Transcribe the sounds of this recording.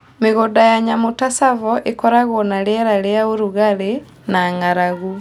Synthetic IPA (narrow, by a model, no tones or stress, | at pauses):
meɣodajaɲamotasavɔʔekɔɾaɣonalɛɾaleaoɾuɣaɾe | naŋaɾaɣu